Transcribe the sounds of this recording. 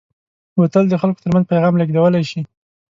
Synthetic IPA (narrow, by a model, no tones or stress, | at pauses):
wat̪əld̪əxalko̥t̪əɾmanzpajɣɑmlaɡd̪awəlajʃi